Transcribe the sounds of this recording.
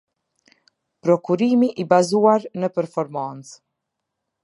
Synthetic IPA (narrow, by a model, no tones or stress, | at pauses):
pɾɔkuɾimiʔibazuaɾnəpɛɾfɔɾmant͡s